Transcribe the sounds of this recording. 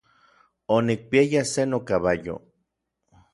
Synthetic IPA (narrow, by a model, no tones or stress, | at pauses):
onik̚piajasenokaβajo̰